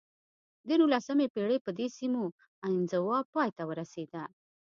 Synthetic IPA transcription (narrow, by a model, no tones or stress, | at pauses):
d̪ənulasəmepeɽepəd̪esimo | anzawɑpɑjt̪awəɾased̪a